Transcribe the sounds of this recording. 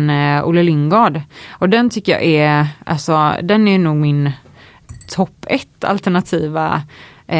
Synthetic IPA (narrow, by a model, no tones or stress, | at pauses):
nṵləlɪŋɡɑːɖʔɔd̪ɛnt̪ʰʏkːəjɑ̰ːʔɛɾʔa̰lsɔd̪ɛnɛjnuːɡmɪn | t̪ʰɔpːɛt̪ʰːa̰lt̪ɛɳat̪ʰiːva̰